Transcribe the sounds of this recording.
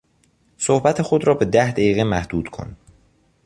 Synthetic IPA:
sohbæt̪ʰexo̞d̪ɾɒːbe̞d̪æhd̪æjiːɣemæhd̪̥uːd̪̥kʰo̞̰n

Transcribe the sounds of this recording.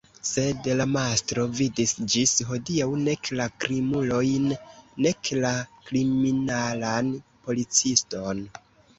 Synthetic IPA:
se̞dlamastɾo̞vidisd͡ʒisɦo̞diawne̞klakɾimulo̞jnːe̞klakɾiminalanpo̞lit͡sisto̞n

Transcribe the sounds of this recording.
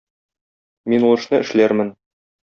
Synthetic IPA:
minulˠɤ̆ʃnɤʔɘ̆ʃlæɾmɘn

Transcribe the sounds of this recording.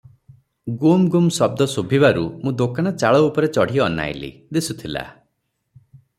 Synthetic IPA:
ɡumɡumsɔb̚d̪ɔsubʱiβaɾumũd̪okaɽ̃ɔt͡ʃaɭɔupɔɾet͡ʃɔɽ̤ijɔːna̰jlḭd̪isut̪ʰila̰

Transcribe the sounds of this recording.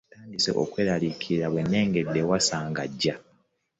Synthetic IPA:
taːndisḛʔo̰kwe̞ːɾalikʰiɾaβwe̞nːe̞ːŋɡe̞dːe̞wasaːŋɡaɟːa

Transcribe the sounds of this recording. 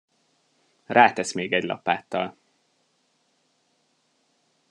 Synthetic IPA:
raːt̪ɛsmeːɡɛɟlɒ̰paːt̪ːɒl

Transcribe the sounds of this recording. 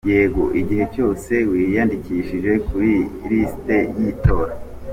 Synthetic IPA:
jeːɡoʔiɟihe̞t͡ʃo̞ːse̞wijandikiʃiʒe̞kuɾiɾisi̥te̞jito̞ːɾa

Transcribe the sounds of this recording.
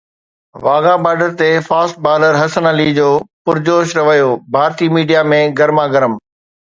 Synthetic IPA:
ʋaːɡãːbaːɖəɾt̪efaːsʈ̚baːləɾɦɐsənəlid͡ʑoːpʊɾd͡ʑoːʃɾɐʋəjobʱaːɾt̪iːmiːɖijamẽɡɐɾmãɡɐɾəm

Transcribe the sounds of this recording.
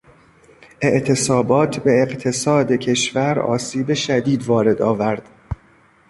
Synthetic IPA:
ʔe̞ʔt̪ʰe̞sɒːbɒːt̪ʰbe̞ːqt̪ʰe̞sɒːd̪e̞cʰe̞ʃvæɾɒ̰ːsiːbe̞ʃæd̪iːd̪vɒːɾe̞d̪ɒːvæɾd̪̥

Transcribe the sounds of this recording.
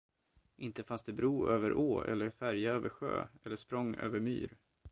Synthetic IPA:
ʔɪnt̪əfansd̪ɛbɾuːøːvəɾʔoːɛ̰lːəɾfæɾjaøːvəɾɧø̰ːɛlːəʂpɾɔŋːø̰ːvəɾmy̰ːɾ

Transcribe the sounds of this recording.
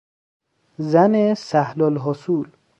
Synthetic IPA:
zænesæhlɔlɦɔsuːl

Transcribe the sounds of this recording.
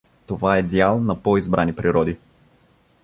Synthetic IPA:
t̪ovaɛd̪ʲjalˠnɐpɔizbɾanipɾiɾɔd̪i

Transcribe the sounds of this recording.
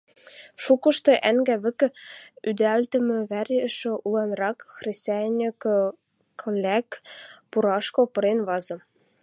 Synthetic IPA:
ʃukɤ̆ʃt̪ɤ̆ʔæŋɡæβɘ̆kɘ̆yd̪ælt̪ɘ̆mɘ̆βæɾʲɘ̆ʃɘ̆ʔulˠɑnrɑkxrʲesʲtʲænʲik | klʲækpuɾɑʃkopɤ̆ɾenβɑzɤ̆

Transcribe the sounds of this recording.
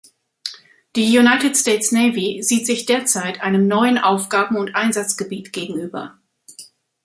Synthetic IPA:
d̥iːjunaɪtɪtstɛːtsneɪviziːtz̥ɪçd̥eːɐt͡saɪtʔaɪnəmnɔʏənʔaʊfɡ̥aːbm̩ʊntʔaɪnzat͡sɡ̥əbiːtɡ̥eːɡŋ̩ʔyːbɐ̰

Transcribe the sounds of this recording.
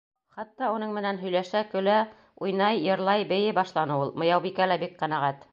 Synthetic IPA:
χɑt̪ːɑunɤɴmɘ̆nænɦɵ̆jlæʃækɵ̆læ | ujnɑjːɤ̆ɾlˠɑjbɘ̆jɘbɑʃlˠɑnɤulˠmɤ̆jɑwbikælæbik̚qæ̆næʁæt̪

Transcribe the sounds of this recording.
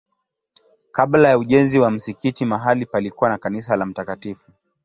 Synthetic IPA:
kaɓlajauʄɛnziwam̩sikitimaɦalipalikuwanakanis̬alam̩takatifu

